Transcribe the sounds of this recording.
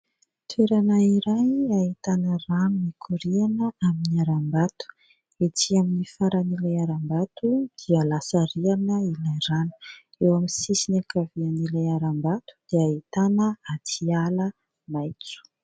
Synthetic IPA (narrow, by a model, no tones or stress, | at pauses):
t̪ʰweɾanaiɾajait̪anərannikʰuɾianəaminiaɾambat̪u̥ | et͡siaminifaɾanilajaɾambat̪ud̪̥ialasaɾianəilajranə̥ | ewamisisinakavianilajaɾambat̪u̥d̪̥eaɦit̪anəat̪ʰialə | majt͡su̥